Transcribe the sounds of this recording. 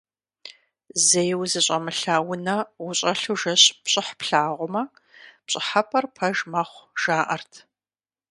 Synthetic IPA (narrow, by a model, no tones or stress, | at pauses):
zɐjwzɨɕʼɐmɨɬaːwʊnɐwʊɕʼɐɬuʒɐɕpɕʼɪħpɬaːʁʷʊmɐ | pɕʼɪħɐpʰɐrpʰɐʒmɐχʷʒ̥aːʔɐrtʰ